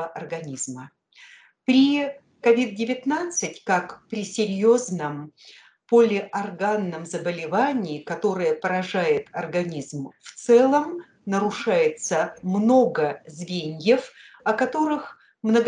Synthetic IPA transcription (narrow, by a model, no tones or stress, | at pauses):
əʔɐrɡɐnʲizmə | pɾʲi | kɐvʲid̪̚dʲɪvʲɪt̪nat̪sɨtʲkakpɾʲɪsʲɪɾʲjoznəm | polʲɪʔɐrɡanːəmzəbəlʲɪvanʲɪːkɐt̪o̞ɾɨjəpəɾɐʐajɪt̪ɐrɡɐnʲizmft̪sɛlˠəm | nəɾʊʂajɪt̪səmno̞ɡəzvʲenʲjəf | ɐkɐt̪o̞ɾɨx | mnəɡ